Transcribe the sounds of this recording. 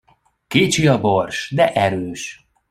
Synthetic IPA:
keːt͡ʃiɒborʃd̪ɛʔɛɾøːʃ

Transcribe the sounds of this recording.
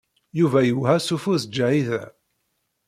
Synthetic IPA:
juvæjuhæsufusd͡ʒːaʕiðæ̰

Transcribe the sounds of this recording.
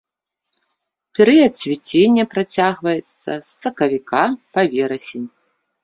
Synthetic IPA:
pʲɛɾɨjɐt̪sʲvʲit͡sʲenʲːɐpɾat͡sʲaɣvɐjɛt̪sɐ̰sːɐkɐvʲikapavʲɛɾɐsʲenʲ

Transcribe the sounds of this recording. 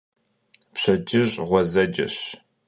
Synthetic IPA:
pɕɐd͡ʒɪʑʼʁʷɔzɐd͡ʒɐ̰ɕ

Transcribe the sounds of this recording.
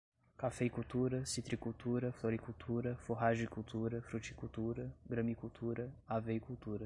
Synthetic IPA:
kafejkut̪uɾɐsit̪ɾikut̪uɾɐfloɾikult̪ʰuɾɐfoɦaʒikuwt̪uɾɐfɾut͡ʃi̥kuwt̪uɾɐɡɾɐ̃mikuwt̪ʰuɾɐaveikuwt̪uɾɐ

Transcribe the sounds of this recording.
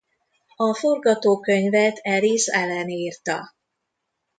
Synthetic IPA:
ɒfo̞rɡɒt̪oːkø̞ɲvɛt̪ʰɛlisɛlɛniːrt̪ɒ

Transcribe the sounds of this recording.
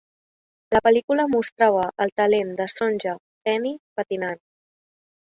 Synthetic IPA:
ləpəlikuləmust̪ɾaβəʔəlˠt̪əlend̪əsonʲʒə | fɛnipət̪inan

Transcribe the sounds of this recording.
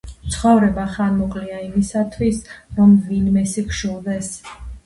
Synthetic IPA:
t̪sʰχɔvɾɛbaχanmɔkʼliaimisat̪ʰwisɾɔmvinmɛsikʰʃulˠd̪ɛs

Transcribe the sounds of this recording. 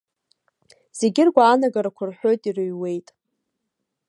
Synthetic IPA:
z̥e̞ɡʲɪrɡʷaːnaɡaɾakʷʰʊrħʷᶣo̞jtʼirɨɥwe̞jtʼ

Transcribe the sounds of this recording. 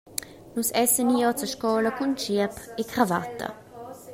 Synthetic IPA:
nusɛsəniɔt͡səʃkɔːləkunt͡ʃiəpekɾava̰t̪ːə̰

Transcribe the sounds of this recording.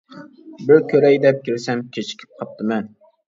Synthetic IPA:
bɪɾkʲʰɵɾæjd̪ɛp̚kʲɪlsæmkʲʰet͡ʃʰɪ̥kʲʰɪ̥p̚qʰɑp̚t̪ʰɪmɛn

